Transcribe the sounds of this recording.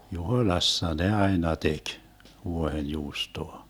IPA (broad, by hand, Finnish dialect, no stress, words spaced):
juhoĭlɑsːɑ ne ɑinɑ tek ʋuohenjuːstoɑ